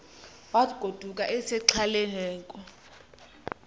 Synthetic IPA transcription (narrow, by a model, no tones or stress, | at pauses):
waɡ̥ʱod̥ʱuk̬ʼaʔɛsɛǁʰalɛnɛːŋkʼɔ